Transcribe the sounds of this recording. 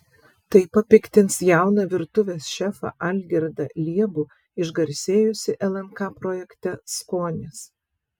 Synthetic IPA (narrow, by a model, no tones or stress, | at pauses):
t̪ɐɪpɐpʲɪkʲt̪ʲɪnsjæˑʊnɐʋʲɪɾt̪ʊʋʲeːsʃʲɛfɐ̰ʔɐlʲɡʲɛɾd̪ɐlʲiɛbu | ɪʒɡɐɾʲsʲeːjʊsʲɪʔɛlˠɛnkɑːpɾoːjɛkʲt̪ʲɛskoːnʲɪs